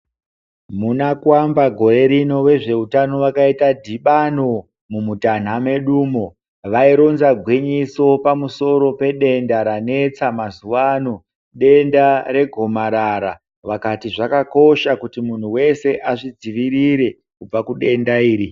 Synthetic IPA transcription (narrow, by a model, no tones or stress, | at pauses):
munakwambaɡʱo̞ɾe̞ɾino̞we̞ʐe̞utano̞ʋakaitadʱiɓano̞ | mumutan̤ame̞ɗuːmo̞ | ʋaiɾo̞nzaɡʱwiɲiso̞pamuso̞ɾo̞pe̞ɗe̞ndaɾane̞t͡samazuʋano̞ | ɗe̞ndaɾe̞ɡʱo̞maɾaɾa | ʋakatiʐakako̞ʃakutimun̤uwe̞se̞ʔaʐid͡ziʋiɾiɾe̞ | kub͡vakuɗe̞ndaiːɾi